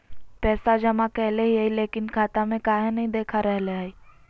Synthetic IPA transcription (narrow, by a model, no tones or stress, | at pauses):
pɛːsad͡ʒɐmakɛɦleɦiɦaileːkɪnkʰaːt̪amẽkaːɦenɐɦĩd̪eːkʰaɾɛɦleai